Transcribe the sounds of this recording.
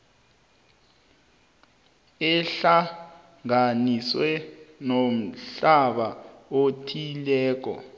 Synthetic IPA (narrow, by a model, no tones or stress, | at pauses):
ɛɬa | ŋaniswɛnom̩ɬaɓaotʰilɛːk̬ɔ̰